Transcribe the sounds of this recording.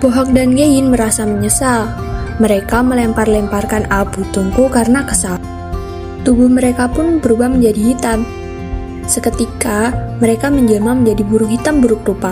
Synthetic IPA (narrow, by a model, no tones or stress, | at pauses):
b̥oɦɔk̚danɡejɪnməɾasaməɲəsal | məɾekaməlɛmparlɛmparkanaput̪uŋkukarənakəsa | t̪ubʊhməɾekapʊnbəɾubahməɲd͡ʒadiɦit̪am | səkət̪ikaməɾekaməɲd͡ʒəmaməɲd͡ʒadibuɾʊkɦit̪ambuɾʊk̚rupa